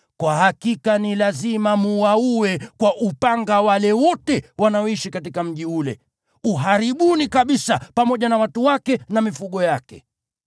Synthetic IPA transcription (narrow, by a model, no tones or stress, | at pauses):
kwahakikanilazimamuwauwɛkwaʔupaŋɡawalɛwɔtɛwanaɔiʃikatikam̩ʄiulɛ̰ | uɦaɾiɓunikaɓisapamɔʄanawatuwakɛnamifuɠɔjakɛ̰